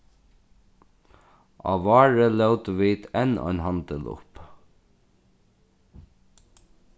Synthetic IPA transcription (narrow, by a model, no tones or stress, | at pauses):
ʔɑ̰ʋɑːɹəlɛwt̪ʋiːd̪ɛnɔ̰ʏnɦɑnt̪əlʊ̰p